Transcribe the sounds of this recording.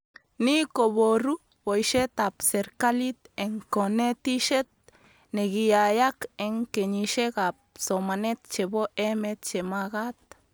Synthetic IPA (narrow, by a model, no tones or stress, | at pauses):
nikoboɾu | bojʃet̪apseɾkalit̪eŋkonet̪iʃet̪̚ | neɡijajakeŋkeɲiʃekap̚somanet̪̚t͡ʃeboʔemet̪t͡ʃemaɡat̪̚